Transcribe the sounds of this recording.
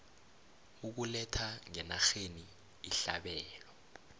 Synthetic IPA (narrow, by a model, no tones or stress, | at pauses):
uk̬ulɛtʰaŋɛnaxeniː | ɬaɓɛːlɔ